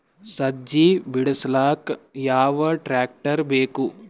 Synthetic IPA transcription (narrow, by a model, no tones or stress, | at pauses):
sɐd͡ʒiːbɪɽslaːkjaːʋɐʈɾɛːk̚ʈəɾbeːku